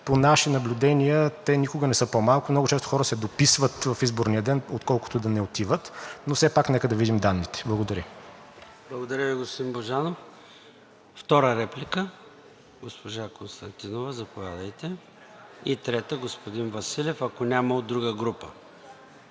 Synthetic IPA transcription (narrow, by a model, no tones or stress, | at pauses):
ponaʃinɐblʲud̪ɛniət̪ɛnikʊɡənɛsɤpomalˠkumnɔɡʊt͡ʃɛst̪o̥xɔɾəsɛd̪opisvət̪vɐfizboɾnijəd̪ɛnot̪kɔlˠkʊ̥t̪ʊd̪ɐnɛot̪ivət̪nosɛpaknɛkəd̪ɐvid̪imd̪anːit̪ɛ̥blˠɐɡod̪ɐɾʲjə | b̥lˠɐɡod̪ɐɾʲəviɡospod̪inboʒanof | ft̪ɔɾəɾɛplʲikə | ɡospoʒakonst̪ɐnt̪inovəzɐpovʲjad̪əjt̪ɛ | it̪ɾɛt̪əɡospod̪invɐsilʲɛfɐkonʲamɐod̪ːɾuɡəɡɾupə